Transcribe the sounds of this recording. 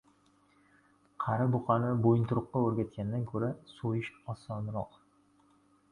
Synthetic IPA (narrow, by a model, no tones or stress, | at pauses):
qʰɑɾabʊqʰɑnɪbojɪnt̪ʊɾʊqːɑɵɾɡʲat̪̚kʲand̪ankʲʰɵɾasojɪʃɒsɒnɾɒq